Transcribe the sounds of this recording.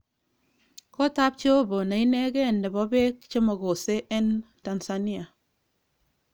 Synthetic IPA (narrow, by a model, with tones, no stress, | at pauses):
ko˦ta˦p̚t͡ʃe˦o˦bo˨na˨i˦nɛ˦ke˦˨ndɛ˨bɔ˦be˦k̚t͡ʃe˦mɔ˨ko˨se˦ʔɛ˦n | ta˨nsa˦ni˦a˨